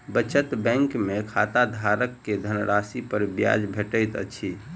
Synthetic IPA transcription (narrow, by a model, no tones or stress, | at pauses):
bət͡ʃət̪bɛ̃ŋkmekʰat̪ad̪ʱaɾəkːed̪ʱənɾasipəɾbja̰d͡ʒbʱeʈəjt̪ə̰t͡ʃʰi